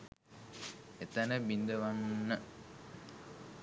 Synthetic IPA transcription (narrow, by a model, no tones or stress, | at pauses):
et̪ənəbind̪əʋannːə